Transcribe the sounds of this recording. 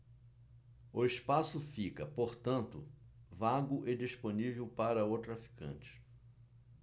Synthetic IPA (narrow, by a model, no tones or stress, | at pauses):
ʊɪspasʊfikɐpoɾt̪ɐ̃nt̪ʊ̰ | vaɡʊʔɪd͡ʒisponivewpaɾɐot̪ɾafi̥kɐ̰̃t͡ʃɪ̥